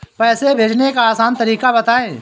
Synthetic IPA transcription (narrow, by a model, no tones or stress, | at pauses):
pɛːsebʱeːd͡ʒnekaaːsaːnt̪ɐɾiːkabɐt̪aːẽː